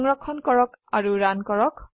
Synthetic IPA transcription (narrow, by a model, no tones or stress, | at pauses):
ŋɹɔkʰːɔnkɔɹɔkaɹuɹankɔɹɔk